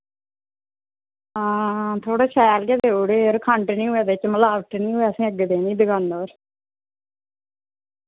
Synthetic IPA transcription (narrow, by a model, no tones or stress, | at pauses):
ãːt̪ʰoːɽaːʃʰɛːlɡeːd̪eːuːɽeːoɾkʰəɳʈnĩːɦʊɛːd̪et͡ʃməlaːʋəʈnĩːɦʊɛːəsĩːəɡd̪eːniːd̪ɪɡaːnːoːɾ